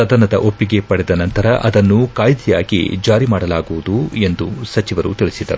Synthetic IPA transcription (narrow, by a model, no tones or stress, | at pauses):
ɐd̪ɐnɐd̪ɐʔo̞pːiɡe̞pɐɽɛd̪ɐnɐnt̪ɐɾɐʔɐd̪ɐnːukaːjd̪ijaːɡḭd͡ʒaːɾimaːɽɐlaːɡuʋud̪ue̞nd̪usɐt͡ʃiʋɐɾṵt̪iɭisid̪ɐ̰ɾu